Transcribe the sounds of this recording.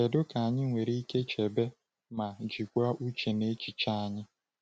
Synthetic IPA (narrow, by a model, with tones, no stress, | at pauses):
e˨dʊ˦ka˨a˨ɲɪ˦ŋʷe˨ɾi˦i˦ke˦t͡ʃe˨be˦ | ma˨d͡ʒi˨kʷa˦ʔu˦t͡ʃe˨ne˦t͡ʃi˨t͡ʃa˦a˨ɲɪ˦